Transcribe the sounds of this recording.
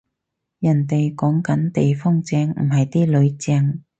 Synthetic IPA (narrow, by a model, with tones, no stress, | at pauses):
jɐ˨˩nt̪e˨jkɔː˨˥ŋkɐ˨˥nt̪e˨jfɔː˥ŋt͡sɛː˧ŋm̩˨˩ɦɐ˨jt̪iː˥lɵ˨˧ɥt͡sɛː˧ŋ